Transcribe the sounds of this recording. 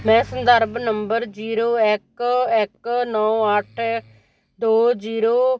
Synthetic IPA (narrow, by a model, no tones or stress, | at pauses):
mɛ̃ːsənd̪əɾbnəmbəɾd͡ʒiːɾoːɪkɪknɔːəʈʰ | d̪oːd͡ʒiːɾoː